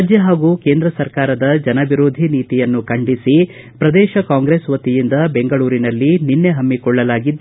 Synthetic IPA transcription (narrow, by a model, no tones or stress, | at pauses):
d͡ʒjɐɦaːɡuːke̞ːnd̪ɾɐsɐɾkaːɾɐd̪ɐd͡ʒɐnɐbiɾoːd̪ʱiniːt̪ijɐnːukɐɳɖisi | pɾɐd̪ɛːʃɐkaːŋɡɾeːsʋɐt̪ijind̪ɐbeŋɡɐɭuːɾinɐlːininːe̞ɦɐmːikɔɭːɐlaːɡid̪ː